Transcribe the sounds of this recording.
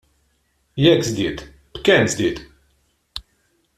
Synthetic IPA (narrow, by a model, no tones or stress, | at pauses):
jɛksd̪id̪ | kɛnsd̪id̪